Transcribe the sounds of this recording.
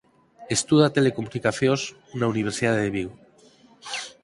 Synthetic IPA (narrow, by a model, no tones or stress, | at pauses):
est̪uðat̪elekomunikaθjoz | nauniβ̞eɾsiðaðeðeβiw